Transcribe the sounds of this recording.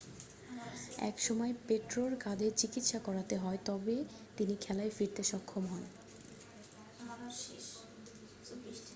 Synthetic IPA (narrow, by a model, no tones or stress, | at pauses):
ɛ̰kʃɔmɔepeʈɾoɾkad̪et͡ɕikit̪ʃakɔɾat̪eɦɔet̪ɔbe | t̪inikʰɛlaefiɾt̪eʃɔkʰːomɦɔn